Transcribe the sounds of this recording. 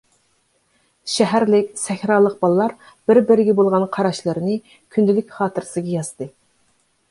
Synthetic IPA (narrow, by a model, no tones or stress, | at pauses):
ʃɛɦæɾlɪkʲsɛxʲɾɑːlˠəq̚bɑlˠlːˠɑɾ | b̥ɪɾbɪɾɪɡʲɛbolˠʁɑnqʰɑɾɑʃlˠɨɾnɨ | kʲʰynd̪ɪlykʲχɑːt̪ʰɨɾɪsɨɡʲɑjɑz̥t̪ɨ